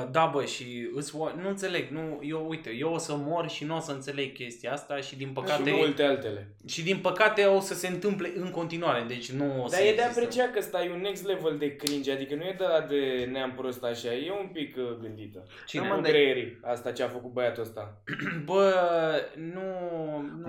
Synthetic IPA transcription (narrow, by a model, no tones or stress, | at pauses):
d̪abəʃiɨsʲonuɨnt̪se̞le̞ɡnujewujt̪ejewosəmo̞rʃinuosəɨnt̪se̞le̞ɡ̚kʲe̞st̪ijaast̪aʃid̪inpəkaat̪emult̪ealt̪e̞le̞ | ʃid̪inpəkat̪e̞o̞səse̞ɨnt̪ɨmple̞ʔɨŋko̞nt̪inuaɾe̞d̪e̞t͡ʃʲnuosd̪aəjeeapɾet͡ʃiakəst̪ajuneksleveld̪e̞kɾind͡ʒad̪ikənujed̪əad̪eneampɾo̞st̪aʃaje̞umpikɡɨnd̪it̪ə | t͡ʃined̪ɾeeɾiast̪at͡ʃeafəkut̪̚bəjat̪uəst̪a | bə | nu